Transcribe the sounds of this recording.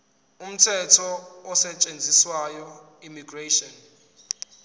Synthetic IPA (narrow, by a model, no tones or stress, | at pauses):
um̩tʰɛtʰɔɔsɛt͡ʃʼend͡zʱiswajɔ | imiɡreʃɔn